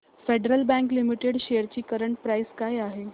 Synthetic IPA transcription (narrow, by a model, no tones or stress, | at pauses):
feɖɾəlbɛ̃ŋklimiʈeɽɕejəɾt͡ɕiːkəɾəɳʈ̚pɾajskajaɦe